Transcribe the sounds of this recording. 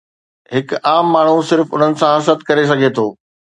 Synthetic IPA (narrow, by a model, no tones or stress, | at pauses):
ɦɪkaːmːaːɳ̤usɪɾfʊn̤ənɪ̆sãɦɐsət̪kɐɾes̬ɐɡʱet̪ʰoː